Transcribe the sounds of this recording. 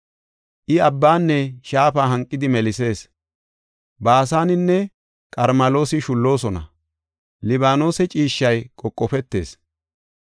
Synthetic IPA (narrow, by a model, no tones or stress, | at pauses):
ʔɪɐbːaːnːɛʃaːfaːɦɐŋkʼːɪd̪ɪmɛlɪse̞ːs | baːsaːnɪnːɛ | kʼɐɾmɐlo̞ːsɪʃʊlːo̞ːsɔnɐ̰ | lɪβaːno̞ːsɛt͡ʃʼiːʃːɐjkʼɔkʼːɔpɛt̪ːe̞̰ːs